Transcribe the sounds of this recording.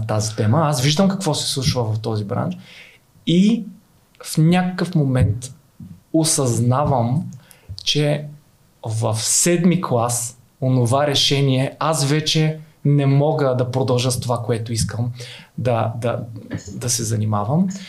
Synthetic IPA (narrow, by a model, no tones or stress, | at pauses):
t̪azit̪ɛməasviʒd̪əmkɐkvɔsɛ̥slˠut͡ʃvəvɐft̪ɔzibɾa̰nt͡ʃ | i | fnʲakəkəfmomɛnt̪ | osɐznavəm | t͡ʃɛ | vɐfsɛd̪miklˠas | onovaɾɛʃɛniɛasvɛt͡ʃɛnɛmɔɡəd̪ɐpɾod̪ɐlˠʒəst̪ovakoɛt̪ʊiskəmd̪ɐd̪ɐd̪ɐsɛzɐnimavəm